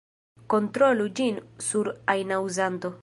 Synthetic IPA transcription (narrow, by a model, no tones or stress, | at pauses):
ko̞ntɾolud͡ʒinsuɾajnawzanto̞